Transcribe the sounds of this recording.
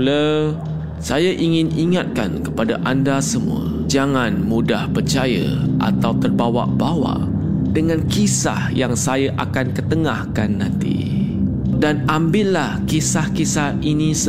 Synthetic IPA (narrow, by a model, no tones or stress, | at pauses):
lə | sajaʔiŋɪniŋat̪̚ka̰nkəpadaʔandasəmṵə̰ | d͡ʒaŋãnmudahpərt͡ʃajə̰ʔa̰t̪awt̪ərbawa̰ʔbawa̰ʔ | dəŋãnkisa̰hjaŋsajaʔakankət̪əŋahkanːãnt̪ḭ | danambɪllahkisahkisahinis